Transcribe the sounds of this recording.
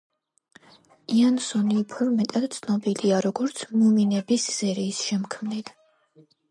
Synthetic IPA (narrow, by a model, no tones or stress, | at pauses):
iansɔniːpʰɔɾmɛt̪ʼad̪̥t̪sʰnɔbiliaɾɔɡɔɾt̪sʰmuminɛbisz̥ɛɾiːsʃɛmkʰmnit̪